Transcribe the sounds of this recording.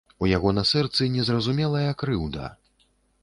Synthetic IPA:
ujaɣɔnasɛrt̪sɨnʲɛzrɐzumʲɛlˠɐjɐkɾɨwd̪ɐ̰

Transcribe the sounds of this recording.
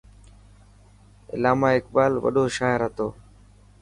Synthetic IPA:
ɪ̰laːmaːɪkbaːlʋə̰ɗoːʃaːɦɪɾɦət̪oː

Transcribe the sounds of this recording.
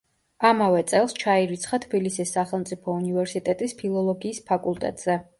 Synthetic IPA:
amavɛt̪sʼɛlˠst͡ʃʰaiɾit̪sʰχat̪ʰbilisisːaχɛlˠmt̪sʼipʰɔunivɛɾsit̪ʼɛt̪ʼispʰilˠɔlˠɔɡiːspʰakʼulˠt̪ʼɛ̰t̪ʼz̥ɛ

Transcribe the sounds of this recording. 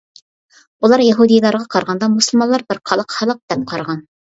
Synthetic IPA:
ulˠɑɾjɑɦud̪ijlˠɑɾʁɑqʰɑɾʁɑnd̪ɑmusəlˠmɑlˠːɑɾbɪɾqʰɑlˠəqhɑlˠəq̚d̪̥ɛp̚qʰɑɾʁɑn

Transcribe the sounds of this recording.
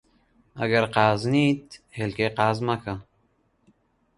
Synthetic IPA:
a̰ɡaɾqaːznit̪helkeqaːzmaka

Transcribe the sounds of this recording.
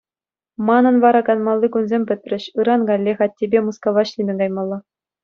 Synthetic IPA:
mɑnɤ̆nʋɑɾɑkɑnmɑlˠːikunzʲemʲpʲɘ̆t̪ʲrʲɘ̆ɕɯɾɑnɡɑlʲːexɑt̚ʲːebʲemuskoʋɑɕlʲinʲɘ̆ɡɑjmɑlˠːɑ

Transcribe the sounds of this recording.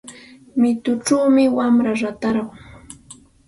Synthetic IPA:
mɪt̪ʊʈ͡ʂawmɪwamɾaɾat̪aɾɢʊ

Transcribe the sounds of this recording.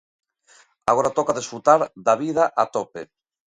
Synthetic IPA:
a̰ɣoɾat̪okaðisfɾut̪aɾd̪aβiðaʔat̪opḛ

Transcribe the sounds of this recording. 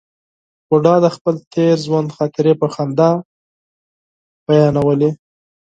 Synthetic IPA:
pʊɖɑd̪əxpəlt̪ʰeɾzwand̪xɑk̪ɪɾepəxand̪a | b̥ajɑnawəle

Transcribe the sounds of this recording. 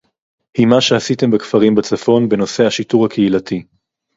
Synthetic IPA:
himaʃeasite̞mbekfaʁimbet͡safo̞nbe̞no̞se̞haʃituʁhakʰeilatʰi

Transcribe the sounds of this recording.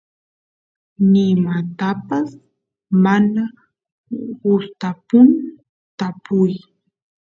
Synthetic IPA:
nɪmat̪apas | mana | ɢʊst̪apʊn | t̪apʊj

